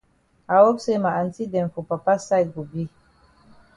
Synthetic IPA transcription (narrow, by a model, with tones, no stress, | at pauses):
a˨wo˦bse˦ma˨ʔa˨nti˦dɛ˨nfu˨pa˨pa˦sa˦jɡu˨bi˦